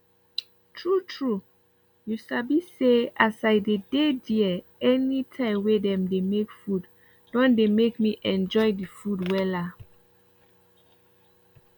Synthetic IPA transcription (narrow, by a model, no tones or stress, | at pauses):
tʰɹutʰɹu | jusabiseasaɪdedediɛ | ɛnitʰãɪ̃mwedɛ̃mdemekfud | dɔ̃ndemekmiʔɛ̃nd͡ʒɔjdifudwɛla